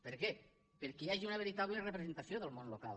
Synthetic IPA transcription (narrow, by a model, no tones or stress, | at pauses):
peɾke | peɾkeaʒiunaβ̞eɾit̪aβlerepɾezent̪aθjoðelˠmõnloka̰l